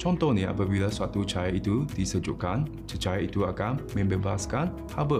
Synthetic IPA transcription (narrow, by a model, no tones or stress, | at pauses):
t͡ʃɔnt̪ɔhnĩa̰pabilasuat̪ut͡ʃajait̪udisəd͡ʒuʔkan | t͡ʃət͡ʃajait̪uakanmɛ̃mbebaaskan | habə